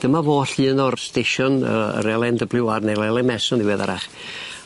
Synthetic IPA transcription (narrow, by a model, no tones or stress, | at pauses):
d̥əmavoːɬɨːnɔrsteʃɔnə̰ə̰ɾɛlˠɛndəblɪwarnelɛlˠɛnmɛsɔndɪwɛða̰ɾaχ